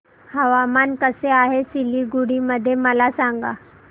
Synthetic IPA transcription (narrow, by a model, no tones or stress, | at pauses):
həʋamankəseaɦesiliːɡuɽiməd̪ʱːjeməlasaŋɡa̰